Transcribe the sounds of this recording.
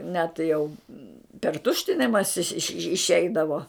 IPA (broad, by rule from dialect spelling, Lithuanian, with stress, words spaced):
nʲɛ tɐɪ jɛʊ pʲɛr ˈtʊʃʲtʲɪnʲɪmɐsʲɪ ɪʃ ɪʃ ɪʃʲˈɛɪdɐʋoː